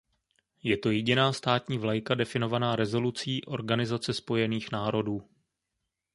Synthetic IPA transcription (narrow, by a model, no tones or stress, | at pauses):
jɛt̪o̞jɛɟɪnaːst̪aːt̪ɲiːvlajkadɛfɪno̞vanaːɾɛzo̞lut͡siːʔo̞̰ɾɡanɪzat͡sɛspo̞jɛniːxnaːɾo̞duː